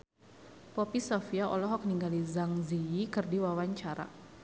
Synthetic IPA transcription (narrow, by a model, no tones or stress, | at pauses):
pɔpisɔfiaʔɔlɔɦɔk̚niŋɡalizaŋziikɨrdiwawaɲt͡ʃaɾa̰